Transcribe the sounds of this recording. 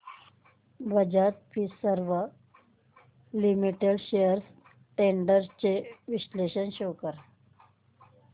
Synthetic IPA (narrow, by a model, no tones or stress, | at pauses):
bəd͡ʑat̪̚fʰisəɾʋə | limiʈeɽɕejəɾs | ʈeɳɖəɾt͡ɕeʋiɕleɕənɕokəɾ